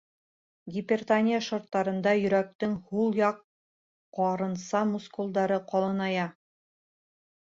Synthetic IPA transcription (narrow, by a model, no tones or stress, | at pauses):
ɡʲɪpʲert̪anʲijaʃŏɾt̪ːɑɾɤ̆nd̪ɑjɵ̆ɾæk̚t̪ɘŋhulˠjɑqː | ɒɾɤ̆nsɑmuskulˠd̪ɑɾɤqɒlˠɤ̆nɑjɑ